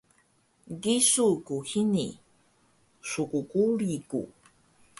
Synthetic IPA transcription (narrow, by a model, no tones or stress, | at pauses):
ɡisukuhini | ʂukukuɾikṵ